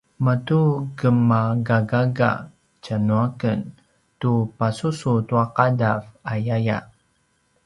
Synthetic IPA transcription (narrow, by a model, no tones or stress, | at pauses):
mətuɡəmaɡaɡaɡa̰ | t͡ʃanuakən | tupasusut̪uaqadafajaja̰